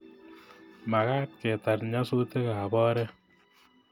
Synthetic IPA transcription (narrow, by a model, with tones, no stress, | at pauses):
ma˨ka˦t̚kɛ˨ta˨tɲa˦so˦te˦ka˨bɔ˦ɾɛ˦